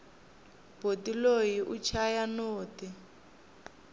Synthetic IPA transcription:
b̥ʱotilojiʔut͡ʃʰajanoːti

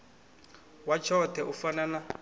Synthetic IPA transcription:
wat͡ʃʰɔtʰɛʔufanana

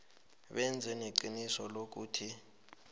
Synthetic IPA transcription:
ɓɛnd͡zʱɛneǃinisɔlok̬uːtʰi

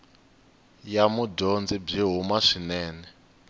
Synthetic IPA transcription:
jamuɟond͡zib͡ʐiɦumaʂinɛːnɛ

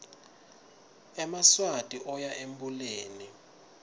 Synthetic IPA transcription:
ɛmaswatʼiʔɔjaʔembuleːni

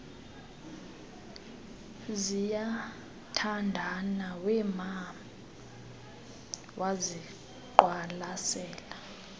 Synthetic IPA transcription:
zija | tʰandʱanawɛma | wʔazi | ǃwalasɛːla

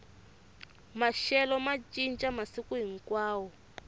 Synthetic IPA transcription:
maʃɛlɔmat͡ʃʼint͡ʃʼamasikuɦiŋ̩kwaːwɔ

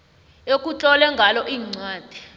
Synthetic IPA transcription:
ek̬ʼut͡ɬʼɔlɛŋɡʱalɔʔiːŋ͡ǀwaːd̥ʱɛ̥

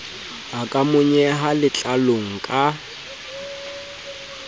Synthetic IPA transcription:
akʼamʊɲɛɦalɪt͡ɬʼaloŋ̩kʼa

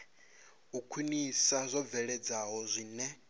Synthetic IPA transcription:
ukʰwinisazʷɔb̪vɛɺɛd͡zaɦɔzʷiːnɛ

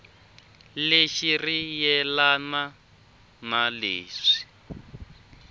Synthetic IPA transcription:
leʃirijɛlana | naleːʂi̥

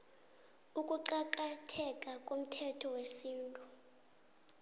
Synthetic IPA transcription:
ukʼuǃakʼatʰɛkʼakʼom̩tʰɛtʰɔwesiːntʼu

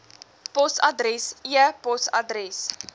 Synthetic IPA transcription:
pɔsɐdrɛsiəpɔsa̰drɛs

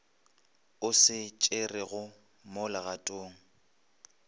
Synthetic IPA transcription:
ʊsɪt͡ʃʼerɪɣʊ | mʊlaɣatʼoːŋ̩

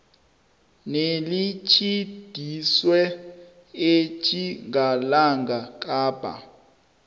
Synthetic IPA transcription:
nelit͡ʃʰid̥ʱiswɛ | et͡ʃʰʼiŋalaŋɡʱak̬ʼaːb̥ʱa̰

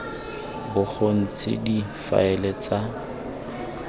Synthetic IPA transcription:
bʊk͡xon̩t͡sʰʼɪ̰difa̰ɪlet͡sa

